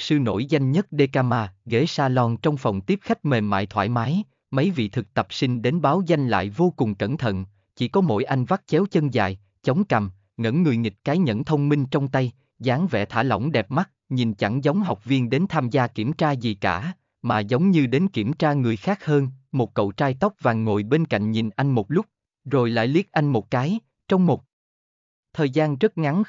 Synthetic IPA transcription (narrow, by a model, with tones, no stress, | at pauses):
sɨ˧no̰˧˥jza˧jŋ̟ɲə˦˥t̚ɗe˧kaː˧maː˧ɣe˧˥saː˧lɔ˧nt͡ɕɔ˧wŋ͡mfə˨˩wŋ͡mt̪i˦˥p̚xa˦˥jk̟̚me˨˩nma̰ː˧˨jt̪ʰwa̰ː˧˥jmaː˨˦j | mə˨˦jvḭ˧˨t̪ʰɨ˨˩k̚t̪ə˨˩p̚sï˧ŋ̟ɗe˨˦nɓaː˨˦wza˧jŋ̟la̰ː˧˨jvo˧kʊ˨˩ŋ͡mkə̰˧˩nt̪ʰə̰˧˨n | t͡ɕḭ˧˩kɔ˨˦mo̰˧˥˩jʔa˧jŋ̟va˦˥t̚t͡ɕɛ˨˦wt͡ɕə˧nza̰ː˧˨j | t͡ɕə˨˦wŋ͡mka˨˩m | ŋə̰˧˥nːɨ˨˩əjŋï˨˩kaː˨˦jɲə̰˧˥nt̪ʰə˧wŋ͡mmï˧ŋ̟t͡ɕɔ˧wŋ͡mt̪a˧j | zaː˨˦ŋvɛ̰˧˩t̪ʰaː˧˩lə̰˧˩wŋ͡mɗɛ˨˩p̚ma˦˥t̚ɲi˨˩nt͡ɕa˧˩ŋzə˨˦wŋ͡mɦa˨˩wk͡p̚vi˧ənɗe˨˦nt̪ʰaː˧mzaː˧ki˧˩əmt͡ɕaː˧zi˨˩kaː˧˩ | maː˨˩zə˨˦wŋ͡mɲɨ˧ɗe˨˦nki˧˩əmt͡ɕaː˧ŋɨ˨˩əjxaː˦˥k̚həː˧nmo˨˩t̚kə̰˧˨wt͡ɕaː˧jt̪ɔ˦˥wk͡p̚vaː˨˩nŋo̰˧˨jɓe˧nka̰˧˨jŋ̟ɲi˨˩nʔa˧jŋ̟mo˨˩t̚lʊ˦˥k͡p̚ | zo˨˩jla̰ː˧˨jli˦˥ət̚ʔa˧jŋ̟mo˨˩t̚kaː˨˦j | t͡ɕɔ˧wŋ͡mmo˨˩t̚ | t̪ʰəː˨˩jzaː˧nzə˦˥t̚ŋa˨˦n